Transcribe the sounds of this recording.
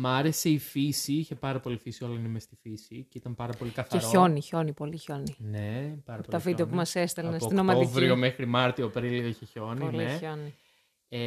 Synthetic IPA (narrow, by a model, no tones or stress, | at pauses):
mɐɾe̞se̞ifisiiçepɐɾɐpo̞lifisio̞lɐinemest̪ifisiceit̪ɐmpɐɾɐpo̞likɐθɐeɾoço̞niço̞nipo̞liçoninepɐɾɐpolt̪ɐfid̪ɐpumɐsest̪elnssot̪inomɐoivɾiomexɾimɐɾt̪iopɾilioiçeço̞nilieoni | e